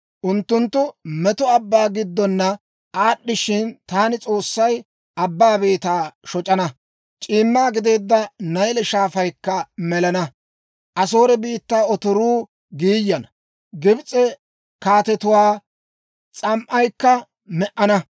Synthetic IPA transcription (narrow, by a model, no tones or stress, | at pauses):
ʔʊnt̪ːʊnt̪ːʊmɛt̪ɔɐbːaːɡɪd̪ːɔnːɐ | ʔaːɗːɪʃɪnt̪aːnɪt͡sʼo̞ːsːɐj | ɐbːaːbe̞ːt̪aːʃɔt͡ʃʼɐnɐ | t͡ʃʼiːmːaːɡɪd̪e̞ːd̪ːɐnɐjlɛʃaːfɐjkːɐmɛlɐnɐ | ʔɐs̬o̞ːɾɛbiːt̪ːaːɔt̪ɔɾuː | ɡiːjːɐnɐ | ɡɪbt͡sʼɛ | kaːt̪ɛt̪ʊwaː | t͡sʼɐmʔɐjkːɐ | mɛʔɐnɐ